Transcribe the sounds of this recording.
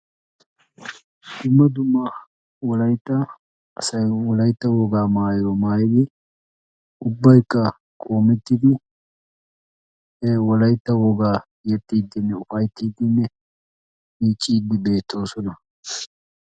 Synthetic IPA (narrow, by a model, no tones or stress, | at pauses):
d̪̥ʊmːɐd̪ʊmːɐ | wɔlɐjt̪ːɐ | ɐsɐjwɔlɐjt̪ːɐwɔɡaːmaːjoːmaːjɪd̪ɪ | ʊbːɐjkːɐ | kʼo̞ːmɛt̪ːɪd̪ɪ | wɔlɐjt̪ːɐwɔɡaː | jɛt̪ːiːd̪ːɪnːɛʊfɐjt̪ːiːd̪ɪnːɛ | miːt͡ʃʼːiːd̪ːɪbe̞ːt̪ːo̞ːsɔnɐ